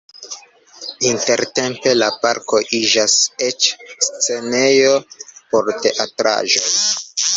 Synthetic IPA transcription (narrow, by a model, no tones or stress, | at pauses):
inte̞ɾte̞mpe̞lapaɾko̞ʔid͡ʒaset͡ʃst͡se̞ne̞jo̞po̞ɾte̞ʔatɾa̰ʒo̞j